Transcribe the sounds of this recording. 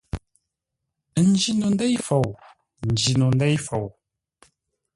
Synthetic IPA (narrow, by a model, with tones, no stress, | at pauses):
n̩˦d͡ʒi˦nu˨n˦dɛ˦jfo˨w | n̩˨d͡ʒi˨nu˨n˦dɛ˦jfo˨w